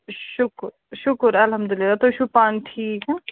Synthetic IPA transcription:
ʃʊkɾ | ʃʊkɾɐlɦɐmd̪ʊlɪlːaːt̪oʃupaːnʈʰiːkɛ̃ː

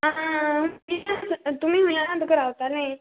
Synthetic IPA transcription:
ɦamiat̪um̤iːm̤əɭanab̪əkəɾaʋt̪anaj

